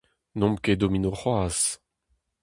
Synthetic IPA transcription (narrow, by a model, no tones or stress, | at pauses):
nɔ̃mked̪ominoχwaːz